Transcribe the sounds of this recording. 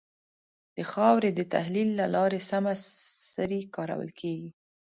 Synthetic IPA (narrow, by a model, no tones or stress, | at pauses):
d̪̥əxɑwɾed̪ət̪a̰hlilːalɑɾesamasəɾikɑɾa̰wə̰lkʰeɡi